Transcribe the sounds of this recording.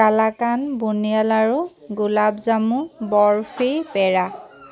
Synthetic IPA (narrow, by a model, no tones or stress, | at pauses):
kalakanbunijalaɹuɡulabzamũbɔɹpʰipɛɹa